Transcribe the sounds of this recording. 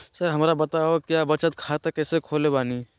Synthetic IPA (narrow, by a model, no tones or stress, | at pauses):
səɾɦəmɾabət̪aɦokjabət͡ʃət̪̚kʰat̪ekɛːsekʰoːlebaːni